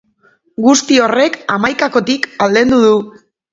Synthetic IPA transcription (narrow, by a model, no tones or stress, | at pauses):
ɡust̪io̞re̞kamajkako̞t̪ikald̪e̞nd̪uðu